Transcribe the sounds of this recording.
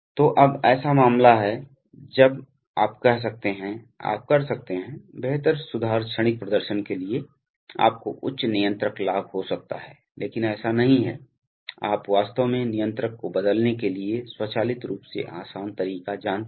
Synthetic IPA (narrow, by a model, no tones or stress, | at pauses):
t̪oːʔɐbɛːsamaːmlaɦɛ | d͡ʒɐb | aːpkɛɦs̬ɐk̚t̪eɦɛ̃ | a̰ːp̚kɐɾsɐk̚t̪eɦɛ̃beɦt̪əɾsʊd̪ʱaːɾʃəɽ̃ɪk̚pɾɐd̪əɾʃənkelie | a̰ːp̚koʔʊtːʃnɪjə̃nt̪ɾəklaːbʱɦosɐk̚t̪a̰ɦɛː | leːkɪnɛːsanɐɦĩɦɛ | a̰ːpʋaːst̪əʋmẽnɪjə̃nt̪ɾəkːobɐd̪əlnekelieswɐt͡ʃaːlɪt̪ɾuːpsḛʔaːsaːnt̪ɐɾiːkad͡ʒaːn